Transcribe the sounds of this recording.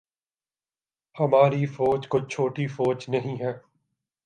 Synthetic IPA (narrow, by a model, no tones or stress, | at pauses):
hɐmaːɾifoːt͡ʃkʊt͡ʃʰoːʈifoːd͡ʒnɐɦĩɦɛː